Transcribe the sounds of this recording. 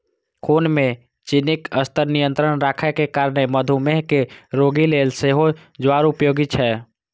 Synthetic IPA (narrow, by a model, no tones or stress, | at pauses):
kʰoːnmẽ | t͡ʃɪnɪkəst̪əɾnijə̃nt̪ɾənɾaːkʰəkekaːɾneməd̪ʱumeɦkeɾoɡileːlseɦo | d͡ʒʋaːɾʊpjoːɡit͡ʃʰɛː